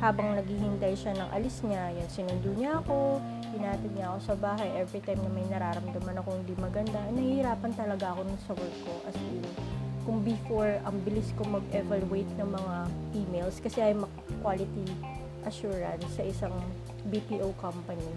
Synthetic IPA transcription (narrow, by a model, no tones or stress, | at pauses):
haːbɐŋnɐɡhihɪnt̪ajʃanɐŋʔɐ̰lɪsɲajansɪnʊnd̪uːɲɐʔɐko̞ | ɡɪnaːt̪ɪd̪̚ɲɐʔɐko̞sɐbaːɦɐjʔɛvɾit̪ajmnɐmɐjnɐɾaːɾɐmd̪ɐmɐnɐkohɪnd̪imɐɡɐnd̪anɐhhhɪɾaːpɐnt̪ɐlɐɡaʔɐko̞nɐŋsɐwɛɹkkːo̞ʔɐsɪŋkʊŋbɪfoɹɐŋbɪlɪskomɐɡɛvaluejt̪̚nɐŋmɐŋafiːmejlskɐsɛʔɐjmɐkkwaːlɪt̪i | ʔɐʃuːɹɐ̰nsːɐʔɪsaŋ | bipiːʔowkɐmpɐni